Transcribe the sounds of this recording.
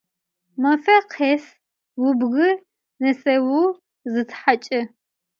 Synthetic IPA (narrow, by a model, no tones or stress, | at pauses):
mɐfɐqʰeːs | wʊbɣɨ | nɐsɐwu | zɨtʰħat͡ʃʼɪ